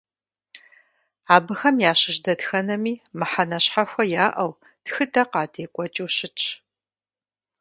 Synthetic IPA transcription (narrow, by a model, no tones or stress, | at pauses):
aːbɨxɐmjaːɕɪʒdɐtxɐnɐmiːmɨħanɐɕħaxʷɐjaːʔɐw | txɨdɐqɑːtʰeːkʷʼɔt͡ʃʼiwɕɪt͡ʃʼ